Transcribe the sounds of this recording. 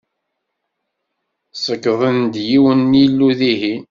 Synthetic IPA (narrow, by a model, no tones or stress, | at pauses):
səkːðˤənd̪jiwənːilːuðihi